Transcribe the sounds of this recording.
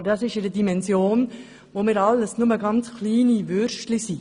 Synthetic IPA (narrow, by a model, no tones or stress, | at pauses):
dɑsɪʃɪɾədimɛnzjoːn | ʋomɪɾɑlːəsnʊməɡɑnt͡skliːniʋʏɾʃtlisi